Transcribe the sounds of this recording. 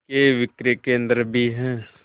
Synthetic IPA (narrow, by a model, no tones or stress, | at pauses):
keʋɪkɾekeə̃nd̪əɾbʱiɦɛ̃ː